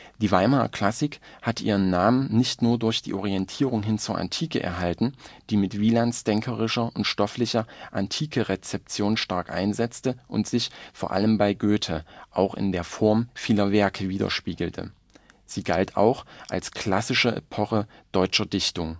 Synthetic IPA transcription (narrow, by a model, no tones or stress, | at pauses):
d̥iːvaɪmaːɐ̰kʰl̥asɪk | hatʔiːʁ̞ənːaːmənnɪçtnuːɐdʊɐçd̥ḭːʔɔʁiɛntʰiːʁ̞ʊŋɦɪnt͡suːɐʔa̰ntʰiːkəʔɛ̰ɐɦaltn̩d̥iːmɪtv̥iːlansd̥ɛŋkʰəʁɪʃɐʊntʃtɔflɪçɐʔantʰiːkʰəʁɛt͡sɛp̚t͡sjoːnʃtaɐkʔa̰ɪnzɛt͡stəʔʊ̰ntz̥ɪçfoːɐʔa̰ləmbaɪɡøːtʰəʔaʊxɪ̰ndeːɐfɔɐmfiːlɐvɛɐkʰəviːdɐ̰ʃpiːɡl̩tʰə̰ | z̥iːɡaltʰa̰ʊxʔa̰lskʰl̥asɪʃəʔɛ̰pʰɔχəd̥ɔʏt͡ʃɐdɪçtʊŋ